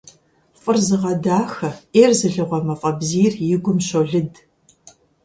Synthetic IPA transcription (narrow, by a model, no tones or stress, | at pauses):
fʼɨrzɨʁɐdaːxɐʔeːrzɨɮɨʁʷɐmɐfʼɐbziːrjɪɡʷʊmɕoɮɨd